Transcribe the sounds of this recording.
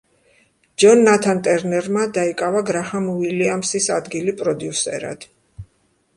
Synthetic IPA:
d͡ʒɔnːat̪ʰant̪ʼɛɾnɛɾmad̪aikʼavaɡɾahamuiliamsisad̪ɡilipʼɾɔd̪jusɛ̰ɾa̰d̪̥

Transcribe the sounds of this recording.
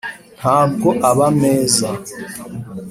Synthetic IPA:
n̥haːbɡoʔaβameːza

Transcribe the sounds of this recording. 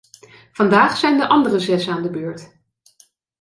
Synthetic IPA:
v̥ɑndaːχsɛjndəʔɑndərəzɛsaːndəbøːɹt

